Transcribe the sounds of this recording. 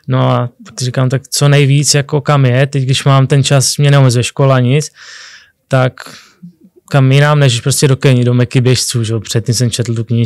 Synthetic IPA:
noapaksɪrɪkaːmt̪akt͡sonɛjviːt͡sjako̞kamjɛt̪ɛcɡdɪʃmaːmt̪ɛnt͡ʃasmɲɛnɛomɛzuɛʃkolaɲɪt͡s | t̪ak | kamjɪnaːmnɛʒɛʃpɾo̞scʲɛdo̞kɛɲɪdomɛkɪbjɛʃt͡suːʒɛopr̥ɛt̪̚cimsɛmt͡ʃɛt̪l̩t̪̬ukɲɪ

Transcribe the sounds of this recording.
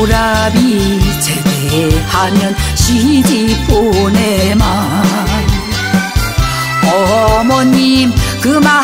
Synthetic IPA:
ɾabit͡seɾt̪ehamjʌnɕiɦid͡ʑiponema | n | ɔmɔnimkɯma

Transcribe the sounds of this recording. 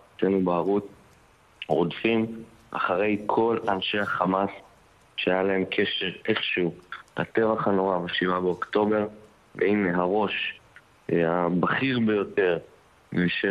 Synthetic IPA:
tenubaaʁut | ʁodfim | ʔa̰χaʁe̞jkʰo̞lanʃe̞haχamas | ʃeajalae̞mkʰe̞ʃe̞ʁeχʃulate̞vaχano̞ʁavaʃivabeokto̞be̞ʁ | vḛine̞ɦaʁo̞ʃ | abaχiʁbejo̞te̞ʁ | veiʃe

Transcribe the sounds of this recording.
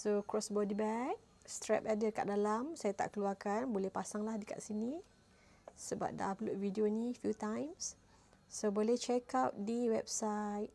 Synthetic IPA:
sokɹɔsbɔdibɛk̚ | st̪ɾɛ̰p̚adəka̰ʔdalamsajat̪a̰ʔkəluarkanbolɛhpasaŋlahdəka̰ʔsini | səba̰p̚da̰ʔaploʔvidionifjut̪ãjms | sobolɛht͡ʃɛkawt̚diwɛbsajt̚

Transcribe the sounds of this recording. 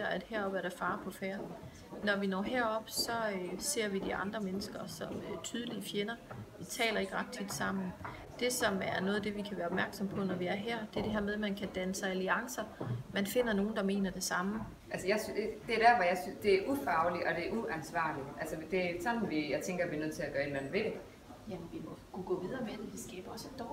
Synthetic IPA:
ɐæd̥hæɐ̰ɒ̽b̥æɐɾ̥æfɑ̈ːpʰɒ̽fæːɐ | nɒʋinɒ̰ːɦæɐ̰ɒ̽b̥sɒ̽øse̝ɐ̰ʋid̥iʔɑ̈nd̥ʁɐmenəsɡ̥ɐsɒ̽møt͡sʰyːð̞ˠlifjenɐʋit͡sʰɛ̰ːlɐe̝ɡ̥ʁad̥̚t͡sʰid̥sɑ̈m̰n̩ | d̥e̝sɒ̽mæɐnɔ̽ːð̞̩ˠd̥e̝ʋikʰæʋæːɐɒ̽b̥̚mæɐɡ̥sɒ̽m̰pʰɒ̽nɒʋiæɐɦæɐ̰d̥e̝ɐd̥e̝ɦæɐ̰með̞ˠmænkʰæd̥ænəsɑ̈ɪæliɑ̈ŋsɐmænfe̝n̰ɐno̝ːn̩d̥ɑ̈me̝̰ːnɐd̥e̝sɑ̈mə | ʔælsəjɑ̈ɪsd̥e̝æɐɾ̥æɐʋɒjɑ̈ɪsynsd̥e̝æɐʔufɑ̈ʊliʔɒ̽d̥e̝ɐʔuʔænsʋɑ̰̈ːliʔælsəd̥e̝æsɒ̽nn̩ʋijɑɪt͡sʰeŋɡ̥ɐʋiɐnøð̰ˠt͡sʰe̝læɡ̥ɶːɐenmænʋe̝ | jæmenʋimɔkʰuɡ̥ɔ̰̽ːʋiðˠɐːmed̥eʋisɡ̥ɛːb̥ɐɒ̽sed̥ɒ

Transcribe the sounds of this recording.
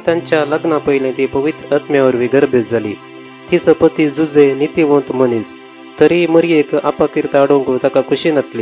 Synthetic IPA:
t̪jãɲt͡ɕjaləɡnapəjlẽt̪ipəʋit̪ɾəat̪mjaʋəɾʋiɡəɾbet̪d͡zʱalḭ | t̪isəpət̪id͡zud͡zenit̪iʋõnt̪m̤ənis | t̪əɾiməɾiekapakiɾt̪aːɽoŋkət̪akakʰuɕinat̪li

